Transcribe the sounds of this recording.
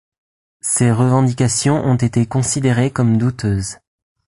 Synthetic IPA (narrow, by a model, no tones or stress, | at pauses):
seʁəvɑ̃d̪ikʲasjɔ̃ʔɔ̃t̪et̪ekɔ̃sid̪eʁekɔmd̪ut̪ʰøːz